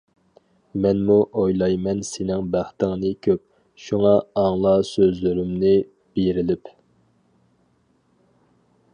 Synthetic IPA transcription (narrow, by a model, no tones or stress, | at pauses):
mɛnmuʔojlˠɑjmɛnsenɪŋbæχt̪ɪŋnɨkʲʰøp̚ | ʃuŋɑɑŋlˠɑsøzlyɾymnɪ | b̥eɾɪlɪp